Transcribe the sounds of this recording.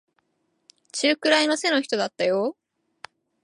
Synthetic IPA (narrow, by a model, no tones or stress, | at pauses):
t͡ɕɨːkɯ̟ɾaino̞se̞no̞çi̥t̪o̞d̪at̪ːajo